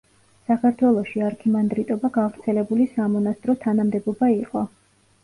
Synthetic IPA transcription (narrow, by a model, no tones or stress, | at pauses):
sakʰaɾt̪ʰwɛlˠɔʃiaɾkʰimand̪ɾit̪ʼɔbaɡavɾt̪sʰɛlɛbulisamɔnast̪ʼɾɔt̪ʰanamd̪ɛbɔbaiqʼɔ